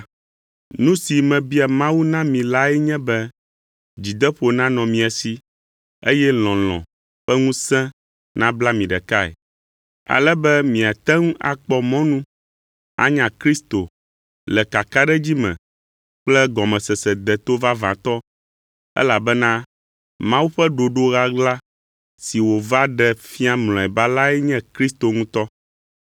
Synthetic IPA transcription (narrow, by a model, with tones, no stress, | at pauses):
nũ˦si˨mɛ̃˨bi˦a˨mã˦wu˦nã˦mĩ˨la˦ɛ˦ɲɛ̃˦bɛ˦ | d͡ʑi˨d̪ɛ˦ɸo˨nã˦nɔ̃˨mĩ˨a˨si˦ | e˦jɛ˦lɔ̃˨lɔ̰̃˨ | ɸɛ˦ŋũ˦sɛ̃˦ | nã˦bla˦mĩ˨ɖɛ˨ka˦ɛ̰˨ | a̰˨lɛ˦bɛ˦mĩ˨a˨t̪ɛ˦ŋũ˦ʔa̰˨k͡pɔ˦mɔ̃˦nũ˦ | a̰˦ɲã˨kɾi˦st̪o˨ | lɛ˨ka˨ka˦ɖɛ˦d͡ʑi˦mɛ̰̃˨ | k͡plɛ˦ɡɔ˨mɛ̃˨sɛ˨sɛ˨d̪ɛ˨t̪o˦va˦vã˨t̪ɔ˦ | ɛ̰˦la˨bɛ˦nã˦ | mã˦wu˦ɸɛ˦ɖo˨ɖo˦ɣa˦ɡla˦ | si˨wo˨va˦ɖɛ˨fi˦a˦mlɔ̃˨ɛ˨ba˦la˦ɛ˦ɲɛ̃˦kɾi˦st̪o˨ŋũ˦t̪ɔ˦